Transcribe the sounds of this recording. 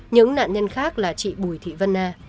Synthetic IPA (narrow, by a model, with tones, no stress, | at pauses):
ɲɨ̰˧˥ŋna̰ː˧˨nɲə˧nxaː˦˥k̚laː˨˩t͡ɕḭ˧˨ɓu˨˩əjt̪ʰḭ˧˨və˧nːaː˧